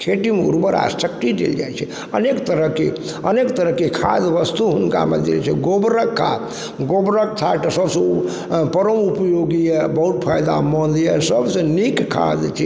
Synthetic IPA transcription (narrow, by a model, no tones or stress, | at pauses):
kʰeʈimṵɾbəɾa̰səkt̪id̪ḛld͡ʒa̰jt͡ʃʰɛ | ənekt̪əɾəɦke | ənekt̪əɾəɦkekʰa̰d̪ʋəst̪uɦunka̰mḛd̪ḛlt͡ʃʰɛ̰ɡobɾəkʰːa̰ | ɡobɾək̚t̪ʰaʈəsəbsə̃ | pəɾəmupəjoɡijəbəɦut̪̚pʰajd̪a̰mənd̪jəsəbsə̃nikkʰːa̰d̪t͡ʃʰɛ